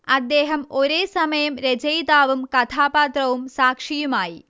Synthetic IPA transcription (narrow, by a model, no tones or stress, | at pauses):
ɐd̪ːeːɦɐmo̞ɾeːsɐmɐjɐmɾed͡ʑɐjd̪aːʋumkɐt̪ʰaːpaːt̪rɐʋumsaːkʂijumaːji